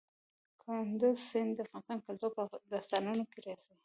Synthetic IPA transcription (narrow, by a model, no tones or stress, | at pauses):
kʰʊnd̪ʊzsɪnd̪d̪əafɣɑnɪst̪ɑnkalt̪uɾpəd̪ast̪ɑnunokeɾɑsi